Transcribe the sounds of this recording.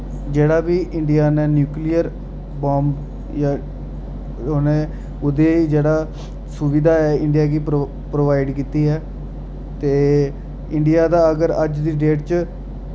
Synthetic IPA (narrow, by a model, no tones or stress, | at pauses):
d͡ʒeːɽaːbiːʔɪɳɖɪjaːneːnjuːklijəɾ | bãːmb | jaː | oneː | ʊd̪eːd͡ʒeːɽaː | sʊʋɪd̪aːɛːɪɳɖijaːkiː | pɾoːʋaːɪɖkiːt̪iːɦɛː | t̪eː | ɪɳɖɪjaːd̪aːəɡəɾəd͡ʒd̪iːɖeːʈt͡ʃ